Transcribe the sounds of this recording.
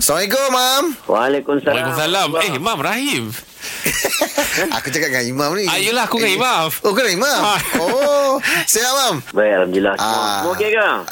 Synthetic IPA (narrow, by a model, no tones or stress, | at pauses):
slamãik̬omamwalekumsaalkumsalamehimamraɦim | a̰kut͡ʃakat̚ŋãimãmniajulahakuŋãimamokunaimao | sijamambajalamdilasa̰okeka